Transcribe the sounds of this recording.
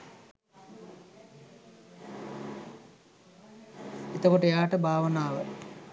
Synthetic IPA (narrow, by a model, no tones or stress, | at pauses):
it̪ɐkoʈujaːʈɐbʱaːʋɐnaːʋə